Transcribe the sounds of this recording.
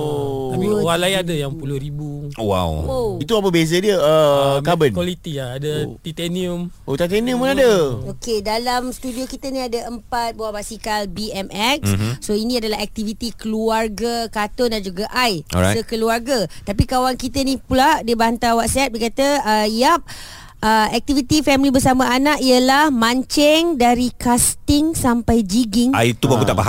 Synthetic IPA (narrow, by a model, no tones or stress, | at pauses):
t̪apiwalajadajaŋpulʊhɾibuowa̰woit̪uap̬əbezadiəəkabənkwalit̪iaadat̪it̪ɛniumot̪at̪eniumənadəokedalamst̪udiokit̪ənĩadaəmpat̪̚baabasikalbiɛmʔɛk̚ssoinĩadalaɦɛk̚t̪ivit̪ikəluarɡakat̪ʊndand͡ʒuɡaʔaj̰səkəluarɡat̪apikawankit̪ənipuladiəbant̪awat̪̚sɛp̚dikat̪aəijap̚ | əɛk̚t̪ivit̪ifɛmlibərsamãanaʔiəlahmãɲt͡ʃɛŋdaɾikast̪ɪŋsampajd͡ʒiɡɪŋait̪ubakut̪aʔbaɦa